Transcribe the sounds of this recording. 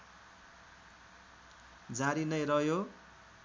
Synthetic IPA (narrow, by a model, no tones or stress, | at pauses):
d͡zaɾinʌjrʌɦjo